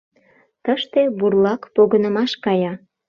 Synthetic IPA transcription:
t̪əʃt̪eβurlɑkpoɣənəmɑʃkɑjɑ

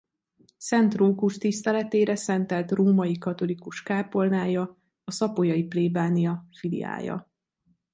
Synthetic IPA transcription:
sɛnt̪roːkuʃt̪ist̪ɛlɛt̪eːɾɛsɛnt̪ɛlt̪ruːmɒjikɒt̪o̞likuʃkaːpo̞lnaːjɒ | ɒsɒpojɒjipleːbaːnijɒfilḭa̰ːjɒ̰

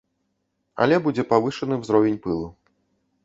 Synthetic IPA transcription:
ɐ̰lʲɛbud͡zʲɛpavɨʂɐnɨwzɾɔvʲenʲpɨlˠu

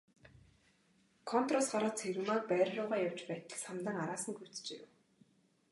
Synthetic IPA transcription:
kʰɔn̥t̪rɔsɢaɾăːt͡sʰeɾŭːmak̚pæːɾʲɮʊːʁaːjaw̥t͡ɕpæːt̪ə̆ɮsamt̪ə̆ŋaɾaːsə̆ŋɡu̥t͡st͡ɕḛːw

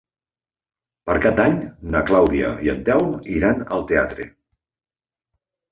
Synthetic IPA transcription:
pəɾkad̪aɲnəklawðiə̰iə̰nt̪ɛwniɾanəlˠt̪ea̰t̪ɾḛ

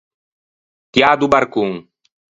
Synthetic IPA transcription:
t̪jad̪ubaɾkuŋ

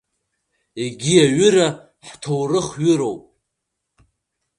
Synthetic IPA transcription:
eɡʲiaɥʏɾa | ħtʰowrɨχɥʏɾo̞wpʼ

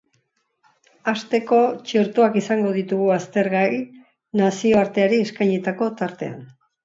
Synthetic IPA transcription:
ast̪e̞ko̞t͡ʃeɾt̪uakisaŋɡo̞ð̞it̪uɣuast̪e̞ɾɣai | nasio̞aɾt̪e̞aɾieskajɲit̪ako̞t̪aɾt̪e̞̰a̰n

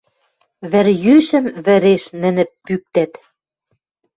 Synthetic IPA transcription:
βɘ̆ɾjyʃə̆mβɘ̆ɾeʃnɘ̆nɘ̆pːyk̚t̪æt̪

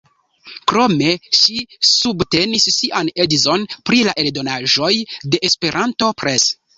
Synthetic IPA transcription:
kɾo̞me̞ʃisubte̞nisːiʔane̞dizo̞npɾilaʔe̞ldo̞naʒo̞jde̞ʔespe̞ɾʔanto̞pɾe̞s

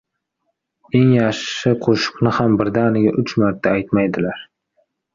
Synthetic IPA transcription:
e̞ŋjɑʃɪqʰoʃʊ̥qnɪhambɪɾd̪anɪɡʲaʔʊt͡ʃmaɾt̪ʰːaajt̪majd̪ɪlaɾ

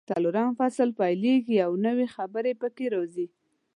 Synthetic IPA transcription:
t̪ɑlʊɾɑnfasəlpajleɡiawnəwexabəɾepəkeɾozi

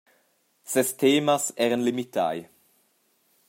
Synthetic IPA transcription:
sɛstʰeːmasɛːʁənlimit̪ʰa̰j

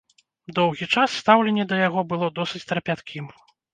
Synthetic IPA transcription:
d̪ɔwɣʲit͡ʂasːt̪awlʲɛnʲːɛd̪ɐjaɣɔbɨlˠɔd̪ɔsɨt͡sʲt̪ɾɐpʲat̪kʲim

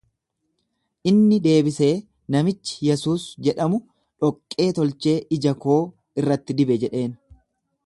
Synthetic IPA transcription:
ʔɪnːɪd̪e̞ːbɪse̞ː | nɐmɪt͡ʃːɪ̥jɛsuːsd͡ʒɛᶑɐmʊ | ᶑɔkʼːe̞ːt̪ɔlt͡ʃe̞ːʔɪd͡ʒɐko̞ː | ɪrːɐt̪ːɪd̪ɪbɛd͡ʒɛᶑe̞ːn

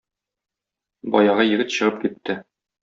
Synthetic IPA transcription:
bɒjɑʁɑjɘ̆ɡɘt̪ɕɤ̆ʁɤp̚kit̪ʰːɘ

